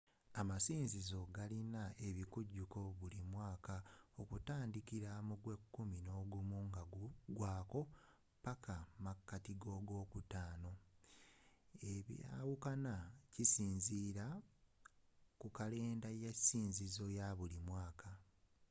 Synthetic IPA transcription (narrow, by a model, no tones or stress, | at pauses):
amasiːnzizo̞ɡalinae̞βikuɟːuko̞βulimwaːkao̞kutaːndikiɾamuɡwe̞kːumino̞ːɡumuŋɡaɡuɡwaːko̞ | pakʰamakːatiɡo̞ːɡo̞ːkutaːno̞ | e̞βja̰ːwukanacisiːnziːɾa | kukale̞ːndajesiːnzizo̞jaβulimwaːkʰa